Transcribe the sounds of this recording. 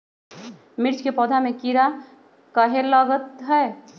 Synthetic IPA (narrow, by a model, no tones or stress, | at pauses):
mɪɾt͡ʃkepɔːd̪ʱamẽkiɾa | kəɦeləɡət̪ɦɛː